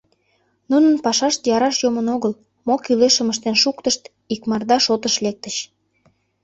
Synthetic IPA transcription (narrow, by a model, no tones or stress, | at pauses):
nunənpɑʃɑʃt̪jɑɾɑʃjomənoɣəl | mokyleʃə̆məʃt̪enʃukt̪əʃt̪ | ikmɑrd̪ɑʃot̪əʃlek̚t̪əɕ